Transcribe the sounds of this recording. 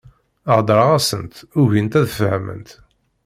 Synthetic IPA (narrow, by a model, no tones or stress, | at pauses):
əʕd̪ˤɾˤɑʁæsənt̪ʊʝint̪æðəfhæmə̰nt̪